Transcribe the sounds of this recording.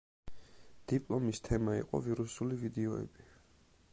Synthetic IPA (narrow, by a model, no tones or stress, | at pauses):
d̪̥ipʼlˠɔmist̪ʰɛmaḭqʼɔ̰viɾusulivid̪ɛɔɛ̰bi